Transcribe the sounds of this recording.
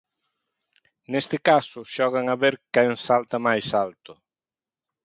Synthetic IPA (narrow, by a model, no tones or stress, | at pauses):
nest̪ɪkasʊʃɔɣ̞aŋɐβeɾkɛŋsalt̪ɐmajsalt̪ʊ